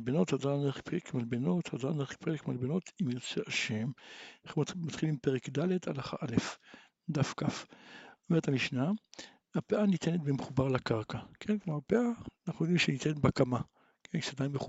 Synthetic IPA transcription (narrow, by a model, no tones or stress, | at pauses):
lbeno̞thazaneχpeekmalbeno̞t̪hazaneχpeʁekmalbeno̞t̪ʰimjot͡seʔaʃe̞mnaχmat̪χilimpeʁekdaledalaχa̰ʔalef | d̪afkafomeet̪amiʃna | hapeʔanit̪enet̪bemeχubaʁlakaʁkakʰenkmaʁpeʔaːnaχnujo̞d̪imʃenitenetbakama | kensadajmbeχu